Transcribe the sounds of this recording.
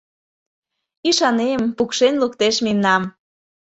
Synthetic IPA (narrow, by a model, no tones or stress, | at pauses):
iʃɑnempukʃenlukt̪eʃmimnɑm